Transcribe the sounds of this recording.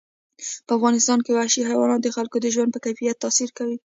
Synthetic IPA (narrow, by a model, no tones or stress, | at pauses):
pəafɣɑnɪst̪ɑnkewaʃiɦajwɑnɑd̪əxalkod̪əʒwand̪pəkajfijat̪ːɑsiɾkawi